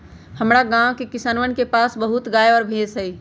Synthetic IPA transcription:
həmɾaɡãwkekɪsaːnʋənkepaːsbəɦʊt̪ɡaːjɔːɾbʱeːzɦəi

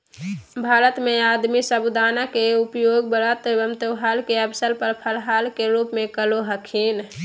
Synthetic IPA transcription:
bʱaːɾət̪mead̪misəbud̪anakeupjoɡ̚bəɽat̪bəmt̪əɦalkeəbsəlpəɾpʰəlɦalkeɾupmekəloɦəkʰin

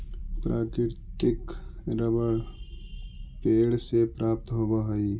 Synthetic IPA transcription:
pɾʔaːkɾɪɾt̪ɪkɾəbəɽ | peːɽsepɾaːp̚t̪ɦoːbaɦəi

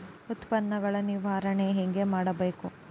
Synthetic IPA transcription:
ut̪pɐnːɐɡɐɭɐniʋaːɾɐɳeɦeŋɡe̞maːɽɐbeːku

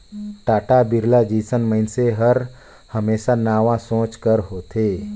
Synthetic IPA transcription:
ʈaːʈabɪɾlad͡ʒiːsənməɪnseɦəɾ | həmeːsanaːʋãsõːt͡ʃkəɾɦoːt̪ʰeː

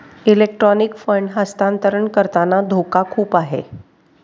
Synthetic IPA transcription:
ilek̚ʈɾɔnikfəɳɖɦəst̪ant̪əɾəɳkəɾt̪anad̪ʱokakʰuːpaɦḛ

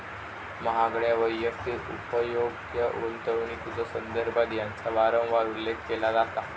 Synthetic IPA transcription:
məɦaɡɭjaʋəjːəkt̪it̪ṵpəjoɡ | jəunt̪əʋɳit̪ud͡zəsənd̪əɾbʱad̪ijãnt͡saʋaɾə̃w̃ʋaɾulːekʰkelazat̪a

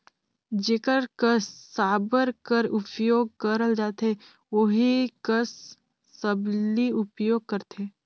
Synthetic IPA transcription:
d͡ʒeːkəɾkəsːaːbəɾkəɾʊpjoːɡ̚kəɾəld͡ʒaːt̪e | ʋoɦikəsː | əbliʊpjoːɡ̚kəɾt̪ʰeː

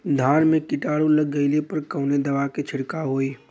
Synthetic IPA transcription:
d̪ʱaːnmẽkɪʈaːɽõlɐɡːəɪlepɐɾkəːned̪ɐʋaket͡ʃʰɪɽkaɦoːiː

